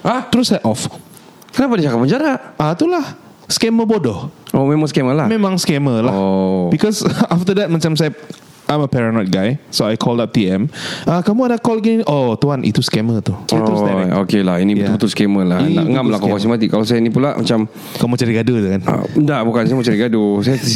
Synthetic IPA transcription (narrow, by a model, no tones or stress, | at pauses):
at̪ɾusaʔɔf | kənapadit͡ʃakapːəɲd͡ʒaɾaʔat̪ulah | skɛməbɔdɔʔomemãŋskɛməlamemãŋskɛməlabikɔsaft̪ədɛt̚mat͡ʃamsaj | ʔajməpɛɹanɔt̪̚ɡajsoajkʰɔldap̚t̪iɛ̃makamuadakɔlɡeniʔot̪uanʔḭt̪uskɛmət̪uit̪sokelahinibət̪ulbət̪ulskɛməlainnaəŋamlakkɔasimat̪ikalasajainipulaʔma̰t͡ʃam | kamut͡ʃaɾiɡadut̪ukan̰ndaʔbukansajmut͡ʃaɾiɡadusaja